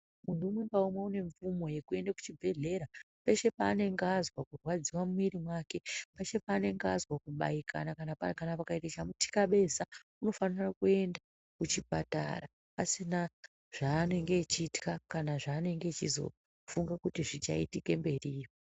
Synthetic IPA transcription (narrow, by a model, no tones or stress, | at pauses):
munduːmwe̞ŋɡaumweune̞ɱfumo̞je̞kue̞ndaku̥t͡ʃibʱe̞ɮe̞ɾa | pe̞ʃe̞paːne̞ŋɡazwakurwad͡ziwamuiɾimwaːke̞peʃe̞paːne̞ŋɡazwakuɓa̰ikʰa̰nakanapakanapakaeteʃamutʰi̥kaɓe̞sa | uno̞fanirakue̞nda | kut͡ʃipa̰ta̰ra | pasina | ʐ̥aːne̞ŋɡe̞t͡ʃiːti̥kakanaʐaːne̞ŋɡet͡ʃizo̞̰ | fuŋɡakutiʐit͡ʃa̰itike̞mbe̞riːjo